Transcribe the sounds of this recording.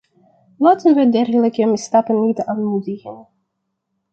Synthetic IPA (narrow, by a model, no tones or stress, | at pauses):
laːtənʋədɛrɣələkəmɪstɑtənːitaːnmudəɣən